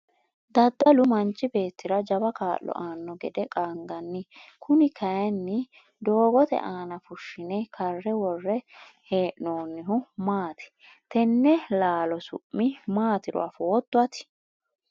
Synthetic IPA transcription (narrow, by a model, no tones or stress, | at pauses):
d̪ɐd̪ːɐlʊmɐnt͡ʃʼːɪbe̞ːt̪ːɪɾɐd͡ʒɐbɐkaːʔːɔ̰ʔaːnːɔɡɛd̪ɛkʼaːŋɡɐnːɪkʰʊnɪkʰɐjɛnːɪ | d̪o̞ːɡɔt̪ɛ̰ʔaːnɐfʊʃːɪnɛkʰɐrːɛwɔrːɛheːʔnoːnːɪɦʊmaːt̪ɪ̥ | t̪ɛnːɛlaːlɔsʊ̰ʔːɪmaːt̪ɪɾɔ̰a̰foːt̪ːʊɐt̪ɪ̥